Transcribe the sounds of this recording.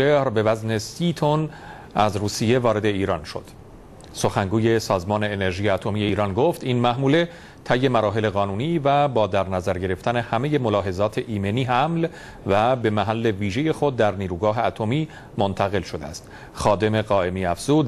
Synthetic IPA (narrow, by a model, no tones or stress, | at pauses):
ehɾbe̞væzne̞siːt̪ʰon | æ̰zruːsije̞vɒːɾe̞d̪e̞iːɾɒːnʃo̞̰d̪̥ | so̞xæŋɡuːje̞sɒːzmɒːne̞ːneɾʒiːjeːt̪ʰo̞mijeiːɾɒnɡoft̪inmæʔmuːle̞ | t̪ʰæjːe̞mæɾɒːɦe̞le̞ɣɒːnuːniːvæbɒːd̪æɾnæzæɾɟe̞ɾe̞ft̪æne̞hæme̞je̞mo̞lɒːɦe̞zɒːt̪ʰe̞ʔiːme̞niːɦæml | væbe̞mæɦælːe̞viːʒe̞je̞xo̞d̪̚ːæɾniːɾuːɡɒːɦe̞æt̪ʰo̞miː | mont̪ʰæɣe̞lʃod̪eæ̰st̪ | xɒːd̪e̞me̞ɣɒːe̞miːæfz̥uːd̪̚